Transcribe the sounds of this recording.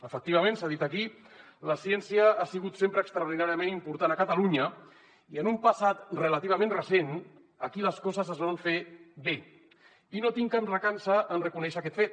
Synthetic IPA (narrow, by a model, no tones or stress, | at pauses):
əfək̚t̪iβəmẽnsaðit̪əki | ləsiɛnsiəasiɣut̪sempɾəːkst̪ɾauɾð̞inaɾjəmenimpuɾt̪anəkət̪aluɲə | iənumpasat̪rəlat̪iβ̞əmẽnrəsen | əkiləskɔzəzəzβaɱfeβe | inot̪iŋkanrəkansəʔənrəkunɛʃəːkɛt̪fet̪̚